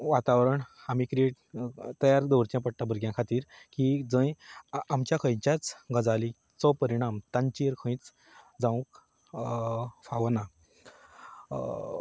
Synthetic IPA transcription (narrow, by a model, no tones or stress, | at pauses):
ʋat̪aʋɾəɳamiːkɾeʈ | t̪əjaɾd̪ɔʋɾt͡ɕjãpəɽʈabʱəɾɡjãkʰat̪iːɾkid͡zə̃jamt͡ɕjakʰə̃jt͡ɕjat͡sɡəd͡zali | t͡sɔpəɾiɽ̃amt̪ãɲt͡ɕiɾkʰə̃j̃t͡s | d͡zãʋũk | faʋna